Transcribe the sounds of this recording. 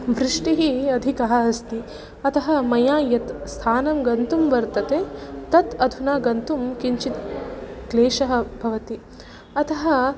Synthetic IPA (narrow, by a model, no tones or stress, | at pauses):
bʱɾɪʂʈiɦiɐd̪ʱikɐɦɐɐst̪i | ɐt̪ɐɦɐmɐjaːjɐt̪st̪ʰaːnɐmɡɐnt̪umʋɐɾt̪ɐt̪eːt̪ɐt̪ɐd̪ʱunaːɡɐnt̪umkiɲt͡ʃit̪̚kleːʃɐɦɐ̆bʱɐʋɐt̪i | ɐt̪ʰɐɦɐ